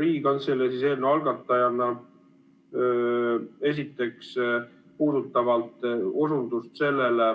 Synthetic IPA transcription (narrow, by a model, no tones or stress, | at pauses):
ɾiːɡɑnselesise̞ːlneɑlɡɑt̪ːˑɑjɑnːɑ | e̞s̬it̪ːˑe̞ks | puːd̪ut̪ˑːɑvɑlt̪ˑosund̪ust̪se̞lːele